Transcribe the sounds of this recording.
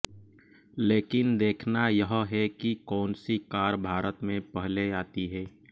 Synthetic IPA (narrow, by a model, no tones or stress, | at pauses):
leːkɪnd̪eːkʰnajəɦɦɛkikɔːnsikaːɾbʱaːɾət̪mẽpəɦleaːt̪iɦɛː